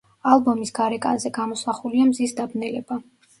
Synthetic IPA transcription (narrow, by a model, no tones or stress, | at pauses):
alˠbɔmisɡaɾɛkʼa̰nzɛɡamɔsaχuliamzisd̪abnɛlɛba